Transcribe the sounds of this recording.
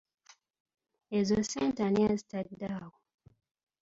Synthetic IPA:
ezosentaniazitadaːwo

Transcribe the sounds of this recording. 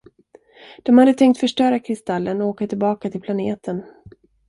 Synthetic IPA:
d̪̥ɔmhad̪ːət̪ʰɛŋkt̪fœʂʈœːɾakʰɾɪst̪alːʔənɔoːkat̪ʰɪlbɑːkat̪ʰɪlpʰlaneːt̪ʰən

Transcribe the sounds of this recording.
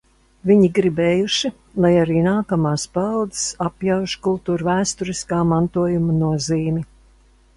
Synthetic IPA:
viɲiɡɾibɛːjuʃi | lˠajaɾiːnaːkamaːspald̪ɨ̥sapjawʃkulˠt̪uːɾvæːst̪uɾiskaːmant̪uɔjumɐnuɔziːmʲi

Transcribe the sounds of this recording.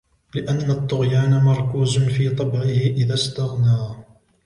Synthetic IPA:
lɪʔanːat̪ˤːʊɣjaːnamɑɾˤkuːzʊnfiːt̪ˤɑbʕɪhɪʔɪðast̪aɣnaː

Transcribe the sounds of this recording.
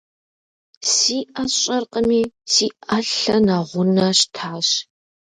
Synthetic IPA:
siːʔɐɕʼɐrqʼəmiːsiːɐɬɐnaʁʷʊnɐɕtʰaːɕ

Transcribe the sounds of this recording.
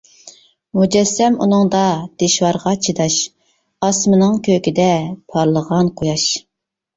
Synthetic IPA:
mud͡ʒɛsːɛmṵnɨŋd̪ɑd̪̥eʃwɑɾʁɑt͡ʃʰid̪ɑʃ | ɑsmɨnɨŋkʲʰøkʲid̪ɛpʰɑɾlˠəʁɑnqʰojɑʃ

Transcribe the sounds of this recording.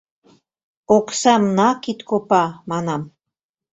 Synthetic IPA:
oksɑmnɑkit̪kopɑmɑnɑm

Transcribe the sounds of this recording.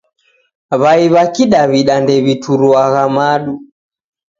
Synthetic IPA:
βaiβakiɗaβiɗandɛβituɾuaɣamaɗu

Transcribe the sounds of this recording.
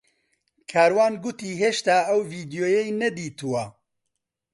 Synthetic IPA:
kʰaːɾwaːnɡʊt̪iːɦeːʃt̪aːɐwviːd̪ijoːjɛjnɛd̪iːt̪uwɐ

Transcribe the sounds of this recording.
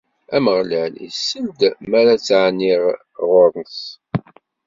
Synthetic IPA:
æməʁləʕnḭsəld̪mæɾat͡sːʕniʁ | ʁʊɾˤənθ

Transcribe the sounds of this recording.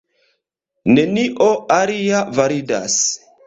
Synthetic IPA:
ne̞niʔoaɾiavaɾida̰s

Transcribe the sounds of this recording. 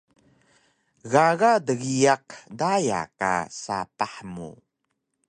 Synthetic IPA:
ɣaɣadəɣijaqdaja̰ka̰sa̰paħmṵ

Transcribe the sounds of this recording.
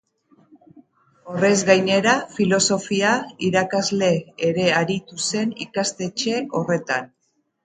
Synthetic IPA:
o̞re̞zɣajne̞ɾafilo̞so̞fiaiɾakazle̞ːɾe̞aɾit̪use̞nḭkast̪e̞t͡ʃe̞ʔo̞re̞t̪an

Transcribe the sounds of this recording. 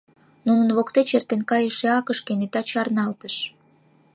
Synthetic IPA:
nunənβokt̪et͡ɕert̪enkɑjəʃeɑkəʃkenet̪ɑt͡ɕɑrnɑlt̪əʃ

